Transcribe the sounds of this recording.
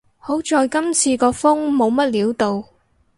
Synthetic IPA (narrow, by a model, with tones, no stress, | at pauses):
ho˨˥wt͡ʃɔː˨˧jkɐ˥mt͡sʰiː˧kɔː˧fʊ˥ŋmo˨˧wmɐ˥t̚liː˨˥wt̪o˨w